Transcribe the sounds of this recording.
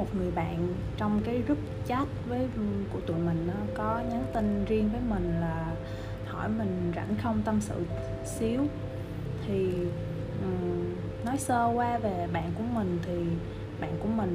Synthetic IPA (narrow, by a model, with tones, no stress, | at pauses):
o˨˩t̚ŋɨ˨˩əjɓa̰ː˧˨n | t͡ɕɔ˧wŋ͡mkaː˨˦jzɨ˦˥t̚t͡ɕa˦˥t̚vəː˨˦jkṵ˧˩˥t̪ṵ˧˨jmï˨˩ŋ̟ʔɔ˨˦kɔ˨˦ɲə˨˦nt̪i˧nzi˧əŋvəː˨˦jmï˨˩ŋ̟laː˨˩ | hɔ̰˧˩jmï˨˩ŋ̟za̰˧˩nxə˧wŋ͡mt̪ə˧msɨ̰˧˨ | si˨˦əw | t̪ʰi˨˩ | ʔɨ˨˩ | nɔ˨˦jsəː˧kwaː˧ve˨˩ɓa̰ː˧˨nkṵ˧˩əmï˨˩ŋ̟t̪ʰi˨˩ | ɓa̰ː˧˨nku˧˩əmï˨˩ŋ̟